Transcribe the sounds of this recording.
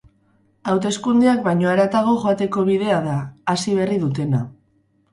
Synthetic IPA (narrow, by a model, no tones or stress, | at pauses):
awt̪e̞skund̪eak̚bajɲo̞aɾat̪aɣo̞ʝo̞at̪e̞ko̞β̞ið̞e̞aðaːsiβ̞e̞riðut̪e̞na